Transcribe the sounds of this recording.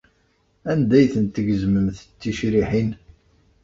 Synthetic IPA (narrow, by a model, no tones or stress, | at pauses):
ænd̪æjθənt̪əʝəzməmθt͡sːiʃɾiħin